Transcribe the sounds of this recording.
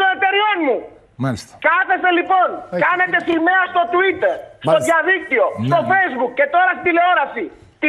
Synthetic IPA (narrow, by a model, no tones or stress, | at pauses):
onet̪e̞ɾio̞nmu | skɐθe̞selipo̞nkɐne̞t̪e̞sime̞ɐst̪o̞t̪uit̪eɾst̪oðʝɐðik̚t̪io̞st̪o̞fe̞jzbukcːe̞t̪o̞ɾɐst̪id̪ile̞o̞ɾɐsi | t̪i